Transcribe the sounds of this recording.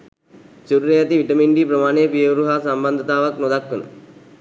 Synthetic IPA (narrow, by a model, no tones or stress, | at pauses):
t͡ʃuɾuɾejat̪iʋiʈəmiɳɖiːpɾəmaːnejpijəʋɾuɦaːsamband̪ʱət̪aːʋaknod̪akːʋənə̰